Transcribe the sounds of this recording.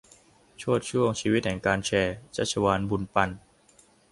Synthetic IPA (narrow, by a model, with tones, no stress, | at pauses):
t͡ɕʰu˥˩ət̪̚t͡ɕʰu˥˩əŋt͡ɕʰiː˧wi˦˥t̪̚hɛ˩˦ŋkaː˧nt͡ɕʰɛː˧t͡ɕa˦˥˩t͡ɕʰa˧waː˧nbu˧npa˧n